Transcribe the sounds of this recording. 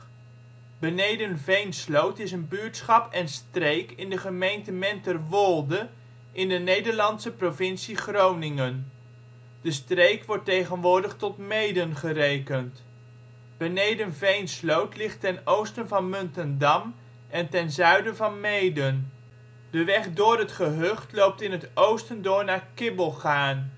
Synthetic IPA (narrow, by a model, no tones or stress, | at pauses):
b̥ənejdənvejnslowtɪsənbyːɹtsχɑpɛnstrejkɪndəχəmejntəmɛntərʋɔlˠdə | ʔɪndənejdəɹlɑntsəprovɪnsiχrownɪŋən | dəstrejkʋɔɹtːejχənʋʊːɹdəχtɔtmejdənχərejkənt | b̥ənejdənvejnslowtlɪχtɛnowstənvɑnmɵntəndɑm | ʔɛntɛnzœɥdəvɑnmejdən | dəʋɛχdʊːrətχəɦøχtlowp̚tɪnɦətowstəndʊːɹnaːɹkɪbəlˠχaːn